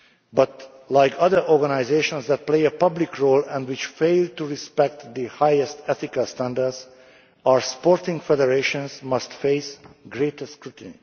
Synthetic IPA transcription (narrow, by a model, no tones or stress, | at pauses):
bʌt̪ | lajkʰʌd̪əɹʔɔɹɡanajzeːʃɔ̃nsd̪ɛt̪̚plejɛpʌblikʰɹoːlɛ̃ndwɪt͡ʃfeɪld̚t̪uɹispɛk̚t̪d̪ihajɛst̪ɛθikalst̪æ̃nd̪əɹdz | aɹspoɹt̪ɪ̃ŋɡfɛd̪ɛɹeʃɔ̃nsmʌst̪fejsɡɹeːt̪əskɹut̪nḭ